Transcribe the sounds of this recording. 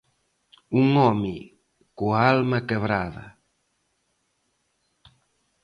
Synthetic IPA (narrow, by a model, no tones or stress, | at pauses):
uŋɔmi | kualmakeβɾaðɐ̰